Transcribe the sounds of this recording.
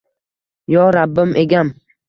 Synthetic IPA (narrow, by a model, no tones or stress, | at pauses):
jɒɾabːɪmʔeɡʲam